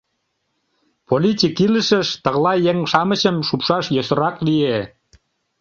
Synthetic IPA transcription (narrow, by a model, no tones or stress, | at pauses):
polʲitʲikiləʃə̆ʃt̪əʁlɑjeŋʃɑmə̆t͡ɕəmʃupʃɑʃjosə̆ɾɑklie